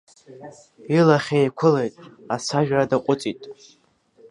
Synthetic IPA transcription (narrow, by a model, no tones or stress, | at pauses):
ilaχʲejkʷʰʊle̞jtʼasʰaʒᶣaradaqʷʼʊt͡sʼitʼ